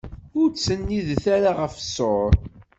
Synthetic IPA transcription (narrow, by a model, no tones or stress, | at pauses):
ʊɾt͡sːənːiðθaɾaʁəfəsoɾˤ